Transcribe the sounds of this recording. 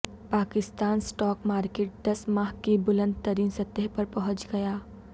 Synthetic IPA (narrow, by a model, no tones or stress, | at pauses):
paːkɪst̪aːnsʈɔːkmaːɾkeːʈ̚d̪ɐsmaːɦkibʊlə̃nd̪̚t̪ɐɾiːnsɐt̪ːəɦpɐɾpɐɦʊ̃t͡ʃɡɐjaː